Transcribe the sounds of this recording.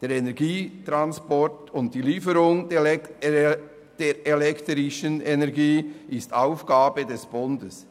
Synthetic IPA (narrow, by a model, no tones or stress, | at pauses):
d̥eːɾɛnɛɾɡiːtɾanspɔɹtʊnt̚d̥iːliːfəɾʊŋ | d̥eːɾelɛktɾɪʃənenɛɾɡiːʔɪstaʊfɡ̥aːbədɛsb̥ʊndəs